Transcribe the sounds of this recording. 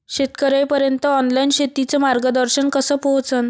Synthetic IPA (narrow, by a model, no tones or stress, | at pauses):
ɕet̪kəɾəjpəɾjənt̪əɔnlainɕet̪it͡semaɾɡəd̪əɾɕənkəsəːpəɦt͡sən